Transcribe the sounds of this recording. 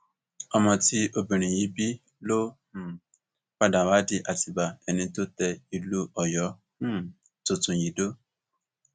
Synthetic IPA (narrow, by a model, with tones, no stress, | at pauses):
ɔ˧mɔ̃˧ti˦ʔo˧bĩ˨ɾ̃ĩ˨ji˨˦bi˦ | lo˦˨ | k͡pa˦da˨wa˨˦di˧ʔa˨ti˨˧ba˨ɛ˧nĩ˧to˦tɛ˧i˧lu˦ɔ˦˨jɔ̃˨˦ | to˨tũ˨ji˨do˦